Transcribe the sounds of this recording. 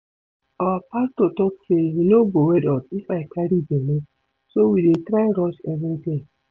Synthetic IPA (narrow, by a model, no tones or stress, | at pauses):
ɔpastotɔteinobowɛdɔtifaikaɾid͡ʒẽnẽ | sowidetɾaɾɔʃɛvĩte